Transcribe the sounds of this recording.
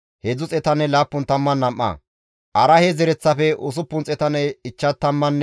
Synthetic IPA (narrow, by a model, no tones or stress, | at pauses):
hɛd͡zʊt͡sʼɛt̪ɐnːɛlaːpːʊnt̪ɐmːɐnːɐmʔːɐ̰ | ʔɐɾɐhɛzɛɾɛt͡sːɐfɛʔʊs̬ʊpːʊnt͡sʼɛt̪ɐnɛɪt͡ʃːɐt̪ːɐmːɐnː